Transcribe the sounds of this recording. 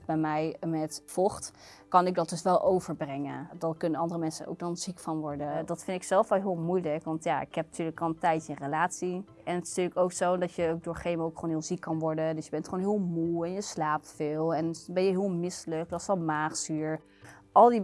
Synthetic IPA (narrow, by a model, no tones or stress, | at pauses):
bɛjmɛjmɛtfɔχt | kɑnɪɡ̚dɑtdɵsʋɛlˠʔowvəɹbrɛŋə̰dɑkɵnənɑndərəmɛnsəno̰wk̚dɑnz̥ikfɑnʋɔɹdədɑtfɪndtɪksɛlˠfɛlˠɦɪːlˠmujləkʋɑntjaːɪ̰kɦɛp̚natʰyːɹləkɔlˠtɛjtəɪnrelaːtsi | ɛnətɪ̥styːɹləkowksowndɑtjəok̚doːɹχejməowkχoːnɦɪːlˠzikːɑnʋɔɹdədøsjəbɛntχonɦɪːlˠmuɛnjəslaːp̚tfɪːlˠɛnbɛnjəɦɪːlˠmɪsələk̚dɔsɔlˠmaːχsyɹ | ʔɑlˠdi